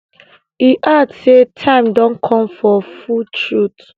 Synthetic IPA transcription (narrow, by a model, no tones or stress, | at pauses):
iʔatsetʰãɪ̃mdɔ̃nkʰɔ̃mfɔfutʰɹut